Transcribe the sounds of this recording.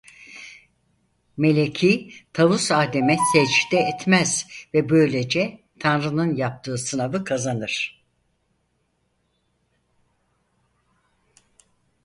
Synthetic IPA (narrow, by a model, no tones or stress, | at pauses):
me̞lʲecʰiːt̪ʰavusaːd̪emɛsɛt͡ʃid̪ɛːt̪mɛz̥vɛbø̞jlʲe̞d͡ʒɛ | t̪ʰanɾɯnɯnjap̚t̪ʰɯːsɯnavɯkʰazanɯɾ̥